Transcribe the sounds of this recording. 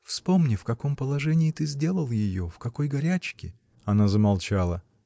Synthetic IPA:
fspo̞mnʲɪfkɐko̞mpəlˠɐʐɛnʲɪːt̪ɨzʲdʲe̞lˠəlˠjɪjofkɐko̞jɡɐɾʲæt͡ɕkʲɪ | ɐnazəmɐlˠt͡ɕalˠə

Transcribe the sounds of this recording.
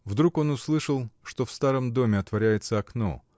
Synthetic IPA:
vd̪ɾuko̞nʊslˠɨʂəlˠʂt̪o̞fst̪aɾəmd̪o̞mʲɪɐt̪vɐɾʲæjɪt̪səɐkno̞̰

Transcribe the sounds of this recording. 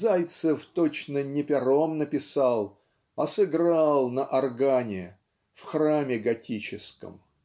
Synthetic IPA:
zajt̪sɨft̪ot͡ɕnənʲɪpʲɪɾomnəpʲɪsɑlˠ | ɐsɨɡɾalˠnəʔɐrɡanʲɪ | fxramʲɪɡɐtʲit͡ɕɪskə̰m

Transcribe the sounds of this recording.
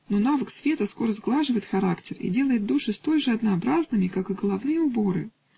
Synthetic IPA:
no̞navəksvʲe̞t̪əsko̞ɾəzɡlˠaʐɨvəɪt̪xɐɾaktʲɪrḭdʲe̞lˠəjɪt̪̚d̪uʂɨst̪o̞lʲʐɨɐd̪nɐɐbɾaznɨmʲɪkakɨɡəlˠɐvnɨjəʊbo̞ɾɨ̰

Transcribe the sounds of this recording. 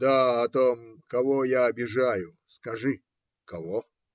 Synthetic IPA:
d̪aɐt̪omkɐvojaɐbʲɪʐajʊskɐʐɨ | kɐvo

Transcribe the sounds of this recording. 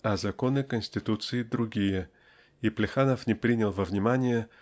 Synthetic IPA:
ɐzɐko̞nɨkənʲsʲtʲɪt̪ut̪sɨɪd̪ɾʊɡʲijə | iplʲɪxanəfnʲɪpɾʲinʲɪlˠvəvnʲɪmanʲɪjə

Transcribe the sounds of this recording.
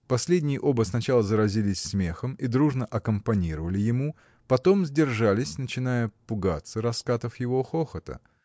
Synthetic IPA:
pɐsʲlʲedʲnʲɪjɪʔo̞bəsnɐt͡ɕalˠəzəɾɐzʲilʲɪsʲsmʲexəmid̪ɾuʐnəʔɐkəmpɐnʲiɾəvəlʲɪjɪmu | pɐt̪o̞mzʲdʲɪrʐalʲɪsʲnət͡ɕɪnajəpʊɡat̪sːəɾɐskat̪əfjɪvo̞xoxət̪ə̰

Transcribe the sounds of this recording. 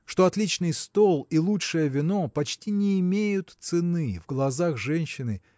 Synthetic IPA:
ʂt̪o̞ɐt̪lʲit͡ɕnɨjst̪olˠilˠutʂɨjəvʲɪno̞pɐt͡ɕtʲinʲɪːmʲejʊt̪t̪sɨnɨvɡlˠɐzaxʐɛnʲɕːɪnɨ

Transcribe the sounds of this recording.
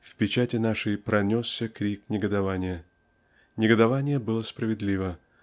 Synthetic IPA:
fpʲɪt͡ɕætʲɪnaʂɨjpɾʔɐnʲosːʲəkɾʲiknʲɪɡəd̪ɐvanʲɪjə | nʲɪɡəd̪ɐvanʲɪjəbɨlˠəspɾəvʲɪd̪lʲivə

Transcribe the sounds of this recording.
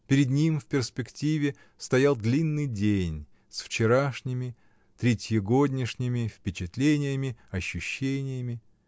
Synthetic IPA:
pʲɪɾʲɪd̪nʲimfpʲɪrspʲɪktʲivʲɪ | st̪ɐjalˠd̪lʲinːɨjdʲenʲ | sft͡ɕɪɾaʂnʲɪmʲɪ | t̪ɾʲɪtʲɪɡodʲnʲɪʂnʲɪmʲɪfpʲɪt͡ɕɪt̪lʲenʲɪjəmʲɪɐɕːʊɕːenʲɪjəmʲɪ

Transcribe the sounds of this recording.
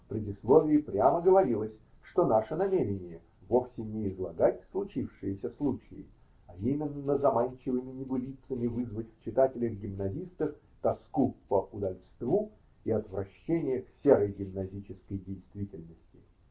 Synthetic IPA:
fpɾʲɪdʲɪslˠovʲɪːpɾʲaməɡəvɐɾʲilˠəsʲ | ʂt̪o̞naʂənɐmʲeɾʲɪnʲɪjə | vo̞fsʲɪnʲɪɪzlˠɐ̰ɡatʲslˠʊt͡ɕifʂɨjəsʲəslˠut͡ɕɪɪ̰ | ɐimʲɪnːəzɐmanʲt͡ɕɪvɨmʲɪnʲɪɡʊlʲit̪səmʲɪvɨzvətʲft͡ɕɪt̪atʲɪlʲəɣɡʲɪmnɐzʲist̪əf | t̪ɐskupəʔʊd̪ɐlʲst̪vu | iɐt̪vɾɐɕːenʲɪjəksʲe̞ɾəjɡʲɪmnɐzʲit͡ɕɪskəjdʲejst̪vʲitʲɪlʲnəsʲtʲɪ̥

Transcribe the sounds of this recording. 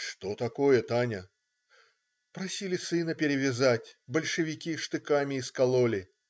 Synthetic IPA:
ʂt̪ot̪ɐko̞jət̪anʲə | pɾɐsʲilʲɪsɨnəpʲɪɾʲɪvʲɪzatʲbəlʲʂɨvʲɪkʲiʂt̪ɨkamʲɪːskɐlˠolʲɪ

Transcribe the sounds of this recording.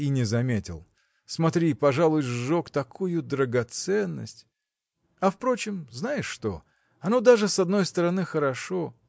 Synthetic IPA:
inʲɪzɐmʲetʲɪ̰lˠ | smɐt̪ɾʲipɐʐalˠʊjokt̪ɐkʰujʊd̪ɾəɡɐt̪sɛnːə̰sʲtʲ | ɐfpɾo̞t͡ɕɪmznajɪʂːt̪o̞̰ | ɐno̞d̪aʐɨsɐd̪no̞jst̪əɾɐnɨxəɾɐʂo̞

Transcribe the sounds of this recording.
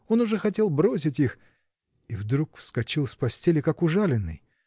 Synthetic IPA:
o̞nʊʐɛxɐt̬ʲe̞lˠbɾo̞s̬ʲɪtʲix | ivd̪ɾukfskɐt͡ɕilˠsʲpɐsʲtʲelʲɪkakʊʐalʲɪnːɨ̰j

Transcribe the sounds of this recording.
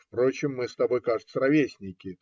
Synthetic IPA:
fpɾo̞t͡ɕɪmːɨst̪ɐbo̞jkaʐɨt̪səɾɐvʲesʲnʲɪkʲɪ

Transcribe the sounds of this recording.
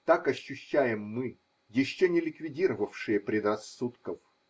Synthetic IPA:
t̪akɐɕːʉɕːæjɪmːɨ | jɪɕːonʲɪlʲɪkvʲɪdʲiɾəvəfʂɨjəpɾʲɪd̪rɐsːut̪kəf

